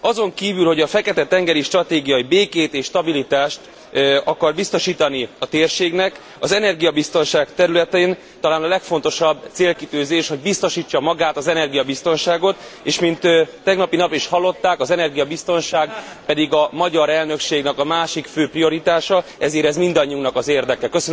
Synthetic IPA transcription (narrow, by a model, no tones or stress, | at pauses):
ɒzo̞ŋkiːvylho̞ɟɒfɛkɛt̪ɛt̪ɛŋɡɛɾiʃt̪rɒt̪eːɡijɒibeːkeːt̪eːʃːt̪ɒbilit̪aːʃt̪ | ɒkɒrbist̪o̞ʃiːt̪ɒniɒt̪eːrʃeːɡnɛk | ɒzɛnɛrɡijɒbist̪o̞nʃaːɡt̪ɛɾylɛt̪eːn | t̪ɒlaːnɒlɛkfo̞n̪t̪o̞ʃɒbːt̪seːlkit̪øːzeːʃho̞ɟ̚bist̪o̞ʃiːt͡ʃːɒmɒɡaːt̪ɒzɛnɛrɡijɒbist̪o̞nʃaːɡo̞t̪eːʃmint̪t̪ːɛɡnɒpinɒpiʃhɒlːo̞t̪ːaːkɒzɛnɛrɡijɒbist̪o̞nʃaːɡ | pɛd̪iɡɒmɒɟɒɾɛlnø̞kʃeːɡnɛkɒmaːʃikføːprio̞ɾit̪aːʃɒɛzeːɾɛzmind̪ɒɲːiuŋknɒkɒzeːrd̪ɛkɛkøsøn